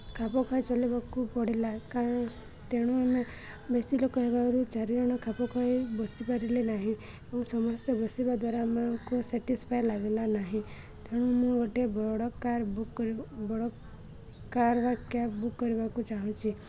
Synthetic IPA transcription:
kʰapɔkʰɔjt͡ʃɔlibakupɔɽilakã | t̪eɽ̃ũame | besilokɔɦebaɾut͡ʃaɾiɾɔɽ̃ɔkʰapɔkʰɔebɔsipaɾilenaɦĩ | eũsɔmɔst̪ɔbɔsibad̪waɾamakusɛʈispʰajlaɡelanaɦĩ | t̪ʰeɽ̃ũmũɡɔʈiebɔɽɔkaɾ | bɔɽɔ | kaɾbakjabukːɔɾibakut͡ʃaɦũt͡ʃʰi

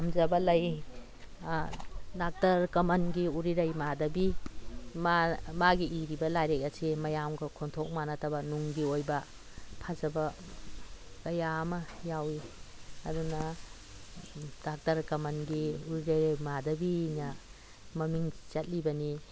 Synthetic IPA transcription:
amzɐbɐlɐj | dak̚tɐɾkɐmɐnɡiuɾiɾɐjmadɐbi | mamaɡiiɾibɐlajɾek̚ɐsimɐjamɡɐkʰontʰok̚manɐtʰɐbɐnuŋɡiojbɐ | pʰazɐbɐ | kɐjamɐjawiɐ̰dunɐ | dak̚tɐɾkɐmɐnɡiuɾiɾɐjɾjmadɐbinɐ | mɐmiŋt͡ʃɐt̚libɐni

